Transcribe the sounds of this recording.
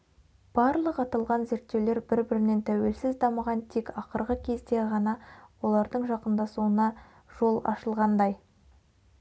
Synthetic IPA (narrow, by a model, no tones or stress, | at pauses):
b̥ɑɾlˠəqɑt̪ɑlˠʁɑnze̞ɾt̪ːe̞wle̞ɾbɪɾbɪɾɪne̞nt̪ʰæwe̞lsɪzd̪ɑməʁɑnt̪ʰekɑqəɾʁəkʲʰe̞zd̪e̞ʁɑnɑwo̞lˠɑɾd̪əɴʒɑqənd̪ɑsuənɑ | ʒ̥o̞lˠɑ̰ʃəlˠʁɑnd̪ɑj